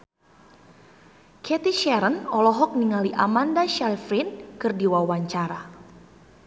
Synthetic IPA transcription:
kʰɛt̪iʃɛɾənɔlɔɦɔk̚niŋaliʔamandaʃalfɾinkɨrdiwawaɲt͡ʃaɾa

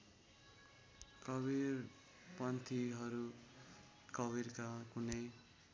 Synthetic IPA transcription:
kʌβir | pʌnt̪ʰiɦʌɾu | kʌβiɾkakunʌj

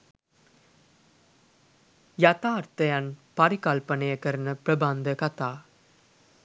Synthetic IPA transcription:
jɐt̪aːɐɾt̪ɐjanpɐɾikalpɐnɐjɐkɐɾnɐpɾɐbaːnd̪ɐkɐt̪aː

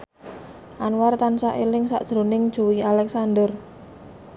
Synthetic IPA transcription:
ʔanwart̪ansaʔelɪŋsa̰ʔd̥ʒ̥ɾo̤nɪŋd̥ʒ̥o̤wialɛksand̪ər

